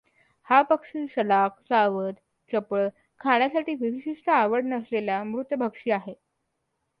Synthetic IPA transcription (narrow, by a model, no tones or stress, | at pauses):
hapəkʂiːɕəlaksaʋət̪ | t͡ɕəpɭə | kʰaɳ̃jasaʈiːʋiʋiɕiʂʈəaʋəɽnəslelamɾut̪ːbʱəkʂiːaɦe